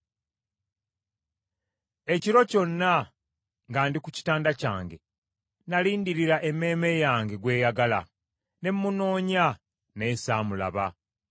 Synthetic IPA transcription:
e̞ciɾo̞co̞nːa | ŋɡaːndikuci̥taːndaca̰ːŋɡe̞̰ | naliːndiɾiɾaʔe̞mːe̞ːme̞jaːŋɡe̞ɡwe̞ːjaɡala̰ | ne̞mːuno̞ːɲa | ne̞ːsaːmula̰βa̰

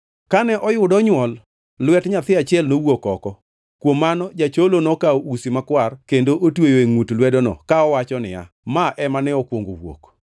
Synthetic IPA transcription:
kanɛʔɔjʊdɔɲwɔl | lwɛtɲat̪ɪat͡ʃɪɛlnowokɔkɔ | kwomːanɔd͡ʒat͡ʃolonɔkaousimakwarkendoʔotwojoeŋutlwɛdonɔ̰kaɔwat͡ʃɔnɪ̰ja̰ | maʔɛmanɛɔkwoŋɡo̰wo̰k

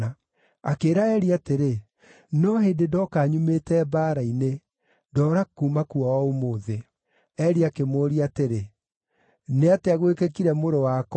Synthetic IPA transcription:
a | akeːɾaɛɾiateɾe | nɔheːndedɔkaːɲumetɛbaːɾaine | dɔɾakuːmakuɔwɔomoːðe | ɛɾiakemoːɾiateɾe | neateaɣwekekiɾɛmoɾowak

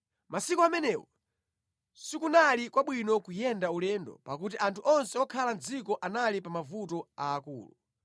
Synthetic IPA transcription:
mʔasikuamɛnɛːwɔ | sikunalikwaɓwinɔkujɛndaulɛːndɔ̰pa̰kut̬iʔantʰuʔɔnsɛɔkʰaland͡zikɔʔanalipamavutɔaːkṵːlṵ

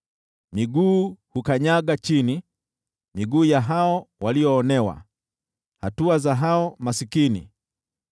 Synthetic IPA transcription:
miɡuːhukaɲaɡat͡ʃini | miɡuːjaɦaɔwaliɔːnɛwa̰ | hatuazaɦaɔmasikinḭ

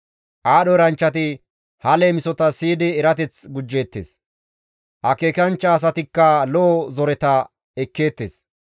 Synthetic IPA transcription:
ʔaːɗɔɾɐnt͡ʃːɐt̪ɪ | hɐleːmɪsɔt̪ɐsiːd̪ɪːɾɐt̪ɛt͡sɡʊd͡ʒːe̞ːt̪ːḛs | hɐke̞ːkɐnt͡ʃːɐːs̬ɐt̪ɪkːɐlɔːzɔɾɛt̪ɐ | ɛkːe̞ːt̪ːḛːs

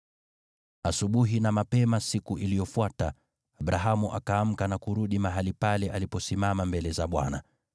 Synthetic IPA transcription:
asuɓuɦinamapɛmasikuʔilijɔfwata | aɓɾaɦamuʔa̰kaːm̩kanakuɾuɗimaɦalipalɛʔalipɔsimamambɛlɛzaɓwa̰na̰

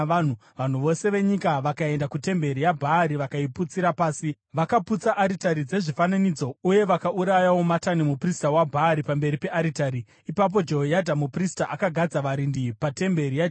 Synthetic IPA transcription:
an̤uʋan̤uʋo̞se̞ʋe̞ɲikaʋakae̞ndakute̞mbe̞ɾijabʱaːɾiʋakaiput͡siɾapaːsi | ʋakaput͡saʔːɾitaɾid͡ze̞ʐifananid͡zo̞uje̞ʋakaʔuɾajawo̞matanimupristawabʱaːɾipambe̞ɾipe̞ʔaɾitaɾi | ipap̬o̞d͡ʒeɦojadʱamupristaʔakaɡʱad͡zaʋaɾindipate̞mbe̞ɾija

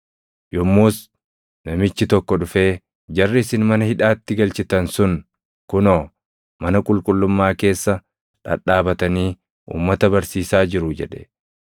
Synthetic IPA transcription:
jɔmːoːs | nɐmɪt͡ʃːɪt̪ɔkːɔᶑʊfeː | d͡ʒɐrːɪɪsɪnmɐnɐhɪᶑaːt̪ːɪɡɐlt͡ʃɪt̪ɐnsʊn | kʊnoː | mɐnɐkʼʊlkʼʊlːʊmːaːke̞ːsːɐ | ᶑɐ̰ᶑaːbɐt̪ɐniː | ʔṵːmːɐt̪ɐbɐɾsiːsaːd͡ʒɪɾʊd͡ʒɛᶑɛ̰

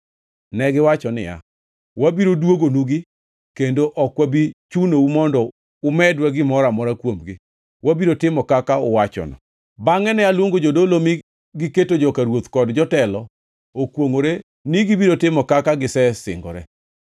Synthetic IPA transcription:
nɛɡɪwat͡ʃɔnɪ̰ja̰ | wabiɾodwoɡonuɡi | kendoʔɔkwabit͡ʃunoumɔndɔ | ʊmɛdwaɡɪmɔɾamɔɾakwomɡɪ | wabiɾotɪmɔkakaʊwat͡ʃɔ̰nɔ̰ | baŋɛnɛalwoŋɡod͡ʒodolomi | ɡɪketod͡ʒɔkaɾwot̪kɔdd͡ʒɔtɛlɔ | okwoŋoɾe | niɡibiɾotɪmɔkakaɡɪsɛsɪ̰ŋɡɔ̰ɾɛ̰

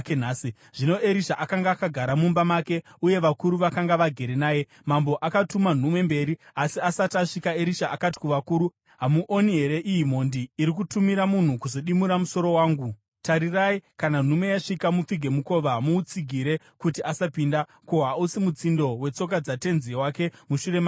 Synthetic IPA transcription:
naːsi | ʐ̥ino̞ʔe̞ɾiʃaʔakaŋɡaːkaɡʱaɾamumbamake̞ | uje̞ʋakuɾuʋakaŋɡaʋaɡʱe̞ɾenaːje̞ | mambo̞ʔakatuman̤umwe̞mbe̞ɾiasiasataʂikaeɾiʃaʔakati̥kuʋakuɾu | ɦamuʔoniɦe̞ɾe̞ʔijim̤o̞ndiːɾik̬utumiɾamun̤ukuzo̞ɗimuɾamuso̞ɾo̞waːŋɡu | taɾiraikanan̤ume̞jaʂikamup͡fiɡʱe̞muko̞ʋaɦmuːt͡siɡʱiɾe̞ | kutiasapinda | kuɦausimut͡sindo̞we̞t͡so̞k̬ad͡zate̞nziwake̞muʃure̞ma

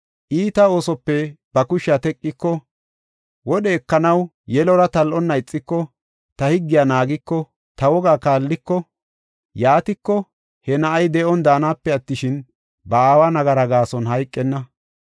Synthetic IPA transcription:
ʔiːt̪ɐo̞ːsɔpːɛb̥ɐkʊʃat̪ɛkʼːɪkːɔ | wɔɗɛːkːɐnɐw | jɛlɔɾɐt̪ɐlʔɔnːɐɪt͡sʼːɪkːɔ | t̪ɐhɪɡːɪjanaːɡɪkːɔ | t̪ɐwɔɡaːkaːlːɪkːɔ | jaːt̪ɪkːɔ | hɛnɐʔɐjd̪ɛʔɔnd̪aːnaːpːɛɐt̪ːɪʃɪn | bɐaːwɐnɐɡɐɾɐɡaːsɔnhɐjkʼːɛnːɐ

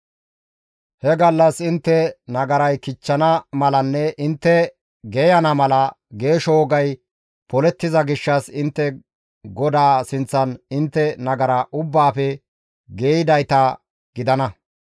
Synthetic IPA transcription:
hɛɡɐlːɐsɪnt̪ːɛnɐɡɐɾɐjkɪt͡ʃːɐnɐmɐlɐnːɛʔɪnt̪ːɛ | ɡejɐnɐmɐlɐ | ɡe̞ːʃoːɡɐj | pɔlɛt̪ːɪzɐɡɪʃːɐsɪnt̪ːɛ | ɡɔd̪aːsɪnt͡sːɐnɪnt̪ːɛnɐɡɐɾɐʔʊbːaːpɛ | ɡeːjɪd̪ɐjt̪ɐ | ɡ̥ɪd̪ɐnɐ

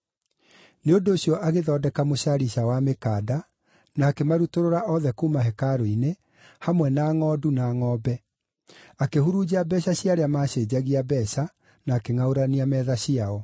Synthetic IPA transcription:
neondoːɕjɔʔaɣeðɔːdɛkamoɕaɾiɕawamekaːda | naːkemaɾutoɾoɾaʔɔðɛkuːmaɦɛkaɾoine | hamwɛnaːŋɔːdunaːŋɔːbɛ | akehuɾud͡ʑabɛɕaɕiaɾeamaːɕeːd͡ʑaɣiabɛɕa | naːkeŋaoɾaniamɛːðaɕiaɔ

